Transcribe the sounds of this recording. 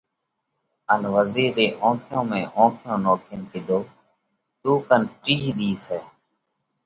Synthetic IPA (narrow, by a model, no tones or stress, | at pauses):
ənʋəziːɾeːʔõːkʰjõːmẽːʔõːkʰjõːnoːkʰənkɪd̪ʱoː | t̪uːkənʈiːɦd̪iːseː